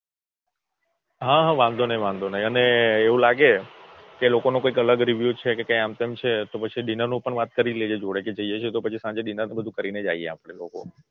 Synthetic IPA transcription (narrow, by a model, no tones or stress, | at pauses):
ɦãɦãʋãnd̪onəɦĩʋãnd̪ʱonəɦĩəneːũlaɡe | kelokonokoikələɡɾiʋjut͡ʃʰekekãĩamt̪emt͡ʃʰet̪opət͡ʃʰiɗinəɾnũpəɳʋat̪̚kəɾiled͡ʒed͡ʒoɽeked͡ʒəijet͡ʃʰet̪opət͡ʃʰisãɲd͡ʒeɗinəɾnebəd̪ʱũkəɾined͡ʒa̰iḛa̰ːpɽ̃elo̰ko̰